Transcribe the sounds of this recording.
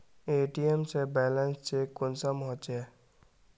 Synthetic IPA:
eːʈiemsebɛːlənst͡ʃekʊnsamɦõt͡ʃeː

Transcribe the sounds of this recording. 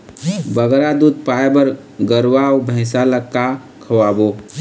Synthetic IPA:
bəɡɾad̪ud̪̚paebəɾ | ɡəɾwawbʱə̃ɪsaləkkːa | kʰəwabo

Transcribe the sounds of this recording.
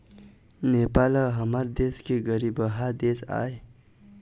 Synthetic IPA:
nepaləɦəməɾd̪eskeɡəɾibəɦad̪esa̰e

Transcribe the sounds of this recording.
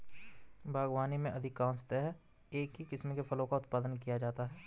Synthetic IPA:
bʱaːɡwaːnimẽʔɐd̪ʱɪkaːnst̪ɛɦɛː | eːkɦikɪsmkefʰɐlõkaʊt̪̚paːd̪ənkijad͡ʒaːt̪aɦɛː

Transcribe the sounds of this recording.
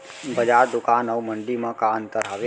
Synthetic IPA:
bɐd͡ʒaːɾd̪ʊkaːnəwmə̃ɳɖimə̃kaə̃nt̪əɾɦaʋe

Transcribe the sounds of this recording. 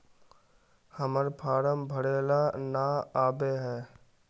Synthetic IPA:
həməɾpʰaːɾəmbʱəɽeːlanaːaːbeɦɛː

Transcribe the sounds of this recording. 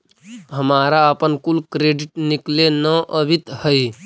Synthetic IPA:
ɦəmaːɾaəpənkulkɾeɖɪʈniklenəʔəbʱit̪həj

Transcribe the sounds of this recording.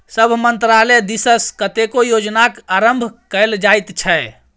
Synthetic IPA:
səbʱmənt̪ɾalɛd̪isəskət̪ekojod͡ʒnakaɾəmbʱkəɪld͡ʒajt̪t͡ʃʰɛ

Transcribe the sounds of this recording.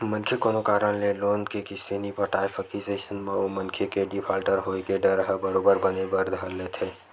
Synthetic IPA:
mənkʰekonokaːɾənleloːnkekisenipəʈajpʰəkisesənmẽomənkʰekeɖipʰaːlʈəɾɦoikeɖəɾɦəbəɾoːbəɾbənebəɾd̪ʱəlːet̪ʰe

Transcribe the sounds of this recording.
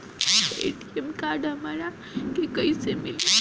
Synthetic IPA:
ḛʈiemkaɾɖɦəmaɾa | kekəisemili

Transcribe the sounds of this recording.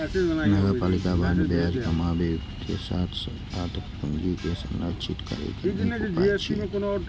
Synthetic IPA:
nəɡəɾpalikabʱanbead͡ʒkəmabet̪ḛsa̰t̪ʰsə | at̪ʰpund͡ʒikesə̰nɾət͡ʃit̪kə̰ɾɛ̰kedinopat͡ʃʰi

